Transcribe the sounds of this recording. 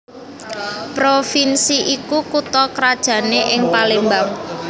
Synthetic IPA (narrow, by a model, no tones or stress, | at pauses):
pɾofinsiʔikukut̪ɔkɾad̥ʒ̥ä̤neʔɪŋpalembaŋ